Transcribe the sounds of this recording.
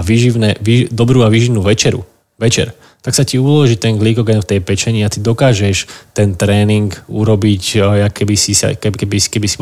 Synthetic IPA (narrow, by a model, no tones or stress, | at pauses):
aʋiʒiʋnɛʋid̪ɔbɾuːaʋiʒiʋnuːʋɛt͡ʃɛɾṵ | ʋɛt͡ʃɛ̰ɾ | t̪aksaciulɔʒit̪ɛŋɡliɡɔɡɛnft̪ɛjpɛt͡ʃɛɲiat̪id̪ɔkaːʒɛʃt̪ɛnt̪ɾɛːniŋkuɾɔbicjakɛbisisa̰kɛkɛbisi̥kɛbisi̥b